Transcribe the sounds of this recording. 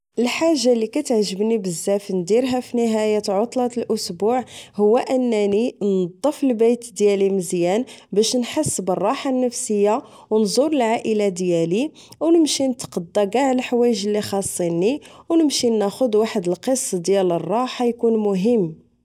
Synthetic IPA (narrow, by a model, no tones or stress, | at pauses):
ʔəlħaʒːalikæt̪ʕʒəbnibəzːæfənd̪iɾɦæfinəɦæjat̪ʕot̪ˤlɑt̪əlʔʊsbuʕhʊwːæʔənːæninɑd̪ˤːəfəlbæjt̪d̪jæliməzjænbæʃnħasːbərˤːɑħanːəfsəjːa | wnzˤʊɾəlʕaʔəlad̪jæli | wnəmʃinət̪qɑd̪ːɑɡɑʕlħawæjəʒəlːixɑsˤːiniwnəmʃinːæxʊd̪waħəd̪əlqəsˤːd̪jælərˤːɑħajkunmʊɦəmː